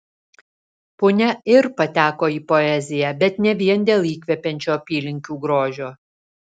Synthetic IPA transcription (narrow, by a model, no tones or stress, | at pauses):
pʊnʲɛɪɾpɐt̪ʲæːkoːiːpɔɛzʲɪjɛbʲɛt̪nʲɛʋʲiɛnd̪ʲeːlˠiːkʲʋʲɛpʲɛnʲt͡ʃʲoːpʲiːlʲɪŋʲkʲuːɡɾoːʒʲoː